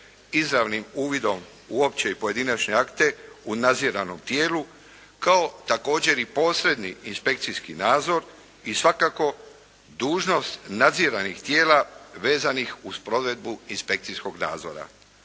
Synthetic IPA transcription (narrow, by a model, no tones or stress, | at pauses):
izɾaʋnimuːʋid̪o̞m | uopt͡ɕeipo̞je̞d̪inat͡ʃɲe̞akt̪e̞unad̪ziɾano̞mt̪je̞ːlu | kao̞t̪ako̞ːd͡ʑe̞ɾipo̞ːsɾe̞d̪niinspe̞k̚t̪sijskinaːd̪zo̞ɾ | isʋakako̞ | d̪uːʒno̞st̪nad̪ziɾanixt̪je̞ːlaʋe̞ːzanixuspɾo̞d̪ʋe̞d̪̚buinspe̞k̚t̪sijsko̞ɡna̰ːd̪zo̞̰ɾa̰